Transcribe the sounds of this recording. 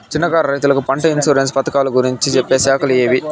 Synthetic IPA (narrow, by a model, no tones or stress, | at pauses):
t͡ʃinːɐɡaːɾɐɾɐjt̪ulɐkupɐɳʈɐinsuːɾens̬pɐt̪ɐkaːluɡuɾiɲt͡ʃit͡ʃepːe̞ːsɛːkʰɐlijeːʋi